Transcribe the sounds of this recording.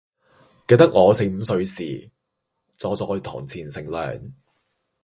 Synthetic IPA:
ke˧t̪ɐ˥k̚ŋɔː˨˧se˧jm̩ː˨˧sɵ˧ɥsḭː˨˩ | t͡sɔː˨˧t͡sɔː˧jt̪ʰɔ̰ː˨˩ŋt͡sʰiː˨˩nsɪ˨˩ŋlœ̰ː˨˩ŋ

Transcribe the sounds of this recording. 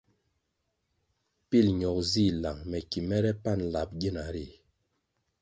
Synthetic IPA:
pi˦˨lɲɔ˨k̚zi˦˨la˨ŋmɛ˨ki˨mɛ˦ɾɛ˦pa˦˨nla˨p̚ɡi˦na˨ɾi˦˨

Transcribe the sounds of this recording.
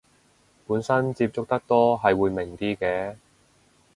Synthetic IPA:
puː˨˥nsɐ˥nt͡si˧p̚t͡sʊ˥k̚t̪ɐ˥k̚t̪ɔː˥ɦɐ˨jwuː˨˧jmɪ˨˩ŋt̪iː˥kɛː˧

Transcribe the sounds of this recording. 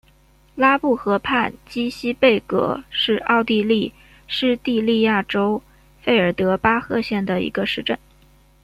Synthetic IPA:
la˥pu˥˩xɤ˧˥pʰa˥˩nt͡ɕi˥ɕi˥pe˥˩ɪkɤ̰˧˥ʂɻ̩˥˧ɑ˥˧ʊt̪i˥˧li˥˩ | ʂɻ̩˥˧t̪i˥˧li˥˧ja˥˩ʈ͡ʂo˥ʊ | fe˥˧ɪə˞˨˩t̪ɤ˧˥pa˥xɤ˥˧ɕjɛ˥˩nd̪ə˩ḭ˧˥ɡə˧ʂɻ̩˥˧ʈ͡ʂə˥˩n

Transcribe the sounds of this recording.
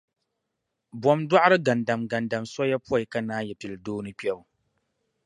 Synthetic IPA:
bwɔ˨˦mdwa˦ʔɾɨ˦ɡa˨nda˨mɡa˨nda˨msa˦ja˦pu˦a˨i˨ka˦naː˦jɛ˨pi˨lɨ˨doː˦nɨ˦k͡pɛ˦lu˨

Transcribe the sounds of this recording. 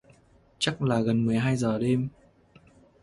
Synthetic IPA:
t͡ɕa˦˥k̚laː˨˩ɣə˨˩nmɨ˨˩əjɦaː˧jzəː˨˩ɗe˧m

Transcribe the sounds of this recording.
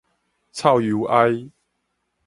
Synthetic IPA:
t͡sʰa˥˨wju˨˦ʔa˦j

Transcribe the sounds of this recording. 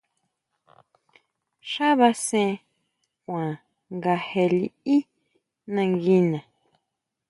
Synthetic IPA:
ʃa˦βa˧sẽ˦˧ | kʷã˨ | ŋɡa˧he˧li˧i˦ | nã˧ŋɡi˧nã˨

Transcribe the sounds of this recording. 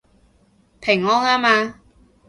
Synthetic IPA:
pʰɪ˨˩ŋːɔː˥ŋaː˥maː˧

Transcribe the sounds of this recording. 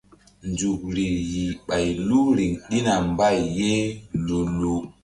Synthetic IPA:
nd͡ʒu˨k̚ɾi˨ji˨ɓa˨jlu˦ɾi˨ŋɗi˦na˨mba˦˨jːe˦lu˨lu˨

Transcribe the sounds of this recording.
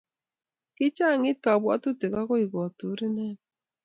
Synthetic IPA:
kɪ˦t͡ʃa˦˨ŋɪ˦t̚ka˨bwa̰˦tu˦te˨ka˦kɔ˦i˨ɡɔ˨tu˨˦ɾi˦nɛ˦n

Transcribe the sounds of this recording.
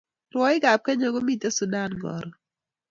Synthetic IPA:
rwɔ˨˦ɪ˦ɡa˨p̚kɛ˦ɲɔ˨ɡo˦mi˦t̪e˦su˨da˦˨nɡɔ̰˨ɾɔ˨

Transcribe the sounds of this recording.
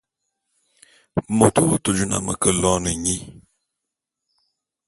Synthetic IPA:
mo˨to˦to˨d͡ʒu˦na̰˨mə̰˨kə˨lɔ˦nə˨ɲi˦

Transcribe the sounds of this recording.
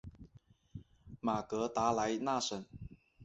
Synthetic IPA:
ma˨˩kɤ˧˥t̪a˧˥la˧˥ɪna˥˩ʂə˨˩˦n

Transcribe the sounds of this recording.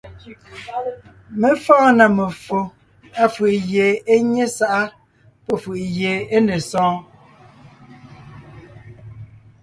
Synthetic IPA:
me˦fɔ̃ː˦na˨me˨fo˨ | a˦fɯ˨ʔjeː˨e˦ɲe˦sa˦ʔa˦ | pɔ˦fɯ˨ʔjeː˨e˦ne˨sɔ̃ː˦

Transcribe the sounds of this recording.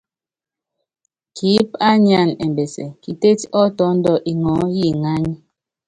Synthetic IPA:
kʰi˨˦p̚a˦ɲa˦˨nɛ̰˨mbe˨sɛ̰˨ki˨te˦tɔ˦tɔ˦n̩˦dɔ˦˨ʔi˨ŋɔ˨˦ji˦˨ŋa˦ɲi˦

